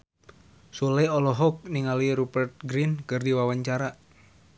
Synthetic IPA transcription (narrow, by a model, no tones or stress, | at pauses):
sulɛɔlɔɦɔk̚niŋaliɾubərt̪̚ɡɾinkɨrdiwawaɲt͡ʃaɾa